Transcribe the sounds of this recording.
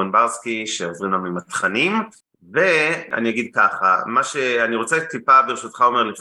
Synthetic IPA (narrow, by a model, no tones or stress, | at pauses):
enbaʁskiʃeozʁimlamimat̪χanim | ve̞a̰nijaɡid̪̚kaχa̰maʃe̞aniʁot͡set̪ipabeʁeʃut̪χao̞me̞ʁlif